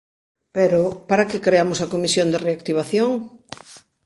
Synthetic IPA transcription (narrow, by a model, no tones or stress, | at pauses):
peɾopaɾakekɾeamʊsɐkomisjond̪ereakt̪iβ̞aθjoŋ